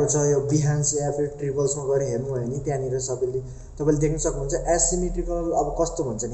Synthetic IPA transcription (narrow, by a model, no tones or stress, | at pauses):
ɾut͡sʰʌjobiɦanseapeʈribʌlsmaɡʌɾiɦernuɦʌenit̪jãniɾʌsʌbili | t̪ʌpaĩled̪ekʰnʌsʌknuɦunt͡sʰʌʔasiniʈribʌlʌbʌkʌst̪obʱʌnt͡sʰʌne